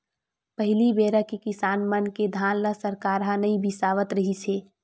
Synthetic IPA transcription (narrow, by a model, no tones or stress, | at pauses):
pəɦɪlibeːɾakikɪsaːnmənked̪ʱaːnlasəɾkaːɾɦãnɐĩbʱisaːʋət̪ɾɐɦisʰeː